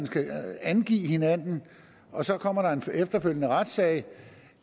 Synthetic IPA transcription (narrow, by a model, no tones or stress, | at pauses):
nsɡ̥æænɡ̥ḭːhe̝nænn̩ | ɒ̽sɒ̽kʰɒ̽m̰ɐɾ̥ɑ̈e̝nfefd̥ɐføl̰jənəʁad̥sɛɪ